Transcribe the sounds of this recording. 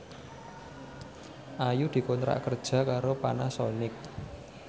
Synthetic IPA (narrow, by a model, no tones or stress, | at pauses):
ʔajud̪̥i̤kɔnt̪ɾa̰ʔkərd̥ʒ̥a̤kaɾopanasɔnɪk̚